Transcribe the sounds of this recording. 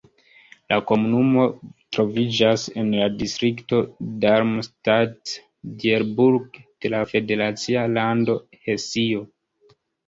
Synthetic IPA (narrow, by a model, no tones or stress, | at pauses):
lako̞munumo̞tɾo̞vid͡ʒase̞nladistɾikto̞daɾmstat | dieɾbuɾɡd̥e̞lafe̞de̞ɾat͡sialando̞ | he̞sio̞